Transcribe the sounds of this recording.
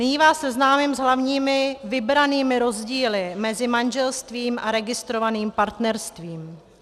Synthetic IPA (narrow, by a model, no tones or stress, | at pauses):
ɲiːvaːsɛznaːmɪmzɦlavɲiːmɪvɪbɾaniːmɪɾo̞zɟiːlɪmɛzɪmand͡ʒɛlst̪viːmʔaɾɛɡɪst̪ɾovaniːmpaɾt̪nɛɾst̪viːm